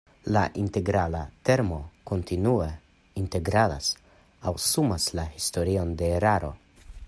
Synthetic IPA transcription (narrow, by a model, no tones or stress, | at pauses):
la̰ʔinte̞ɡɾalate̞ɾmo̞ko̞ntʰinue | inte̞ɡɾala̰s | awsumaslahisto̞ɾio̞nde̞ːɾaɾo̞̰